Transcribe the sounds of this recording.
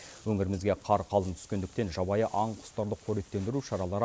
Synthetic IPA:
wɵŋɪɾɪmɪzɡʲe̞qʰɑɾqʰɑlˠənt̪ʰʏ̥skʲe̞nd̪ɪk̚t̪e̞nʒɑbɑjəʔɑɴqʰʊ̥st̪ɑɾd̪əqʰɵɾiet̪ːe̞nd̪ɪɾuʃɑɾɑlˠɑɾ

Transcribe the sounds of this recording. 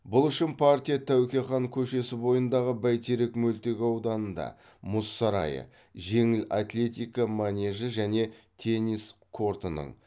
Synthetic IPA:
bʊlˠʏʃɪnpʰart̪ʲijat̪ʰæwkʲeχɑŋkʲʰɵʃe̞sɪbo̞jənd̪ɑʁəbæjt̪ʰeɾekmɵlt̪e̞ɡʲɪɑwd̪ɑnənd̪ɑ̰ | mʊsːɑɾɑ̰jə̰ | ʒe̞ŋɪla̰t̪lʲe̞t̪ʲijkamanʲe̞ʒəʒæne̞t̪ʰe̞niskʰo̞ɾt̪ənə̰ɴ

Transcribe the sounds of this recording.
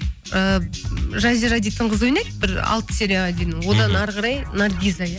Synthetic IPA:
ə | ʒɑzʲeɾad̪ijt̪ʰəɴʁəzojnej̚ʲbɪɾɑ̰lˠt̪ə̥seɾʲeɑd̪inɪŋwo̞d̪ɑnɑɾʁɑɾɑjnɑrɡʲijzaja

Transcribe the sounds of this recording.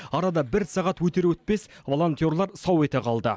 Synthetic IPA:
ɑɾɑd̪ɑbɪɾsɑʁɑt̪wɵt̪e̞ɾwɵt̪̚pe̞svo̞lˠo̞nt̪jo̞rlˠɑɾsɑwe̞t̪e̞qʰɑlˠd̪ə

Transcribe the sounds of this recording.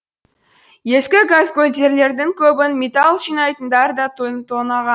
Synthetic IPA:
je̞skʲɪɡazɡolʲd̪eɾle̞ɾd̪ɪŋkʲʰɵbɪnmʲet̪ɑlˠʒijnɑjt̪ənd̪ɑɾd̪ɑt̪ʰt̪ʰonɑʁɑn

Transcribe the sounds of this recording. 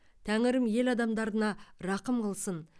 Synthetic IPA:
t̪ʰæŋɪɾɪmje̞lɑd̪ɑmd̪ɑɾd̪ənɑɾɑqəmqʰəlˠsən

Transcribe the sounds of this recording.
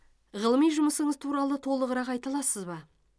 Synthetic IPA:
ʁəlˠəmijʒʊməsəɴəzt̪ʰuɾɑlˠət̪ʰo̞lˠəʁəɾɑqɑjt̪ɑlˠɑsəzbɑ

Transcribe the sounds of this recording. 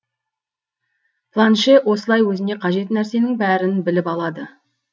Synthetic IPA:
pʰlˠanʃewo̞səlˠɑjwɵzɪne̞qʰɑʒe̞t̪næɾse̞nɪŋbæɾɪnbɪlɪpɑlˠɑd̪ə

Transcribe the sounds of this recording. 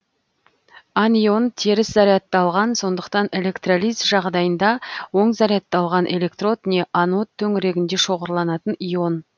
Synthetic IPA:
anijo̞nt̪ʰe̞ɾɪszɑɾijɑt̪ːɑlˠʁɑnso̞nd̪əqt̪ɑne̞lʲe̞kt̪rolʲˠijzʒɑʁd̪ɑjənd̪ɑwo̞ɴzɑɾijɑt̪ːɑlˠʁɑnʔe̞lʲe̞kt̪ro̞t̪ne̞ʔano̞t̪ʰːɵŋɪɾe̞ɡʲɪnd̪e̞ʃo̞ʁəɾlˠɑnɑt̪ənijo̞n

